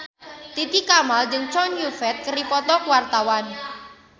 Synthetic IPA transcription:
t̪it̪ikamald͡ʒɨŋt͡ʃɔnjufɛt̪̚kəɾipɔt̪ɔkuwart̪awan

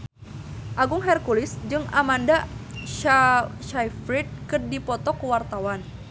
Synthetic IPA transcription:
ʔaɡʊŋɦɛrkulɪsd͡ʒɨŋamandaʃaʃajfɾit̪̚kɨrdipɔt̪ɔkəwart̪awan

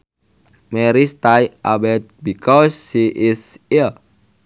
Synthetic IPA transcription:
mɛɾist̪ajʔabɛt̪̚bikʰɔsːiʔɪsil

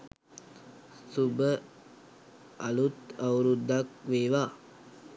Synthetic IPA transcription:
subə | alut̪awɾud̪ːakʋeːʋaː

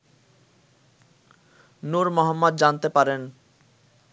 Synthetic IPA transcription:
nuɾmɔɦɔmːɔd̪d͡ʑant̪epaɾen

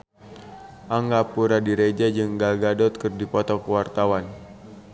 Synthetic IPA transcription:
ʔaŋɡapuɾadiɾed͡ʒad͡ʒɨŋɡalɡadɔt̪̚kɨrdipɔt̪ɔkəwart̪awan

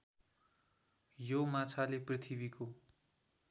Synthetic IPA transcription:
jomat͡sʰaleprit̪ʰibiko

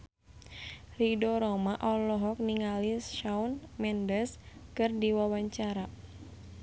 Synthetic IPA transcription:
ridɔɾɔmaʔɔlɔɦɔk̚niŋalisʃaunmɛndəskɨrdiwawaɲt͡ʃaɾa

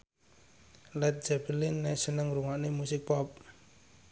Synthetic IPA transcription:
lɛt̪̚d͡ʒ̥ɛb̥əlɪnːɛʔsənəŋɾuŋaʔnemusɪk̚pɔp̚

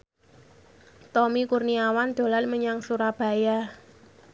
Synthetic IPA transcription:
t̪ɔmikurniawand̪̥o̤lanməɲaŋsuɾab̥ä̤ja

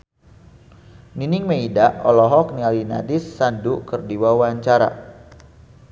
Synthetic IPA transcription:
ninɪŋmeidaɔlɔɦɔk̚nialina̰dɪsːandukərdiwawaɲt͡ʃaɾa̰

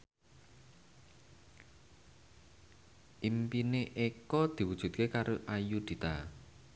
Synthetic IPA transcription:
ʔimpineʔekɔd̪̥i̤wud̥ʒ̥ṳt̪̚kekaɾʔoʔajud̪̥i̤t̪a

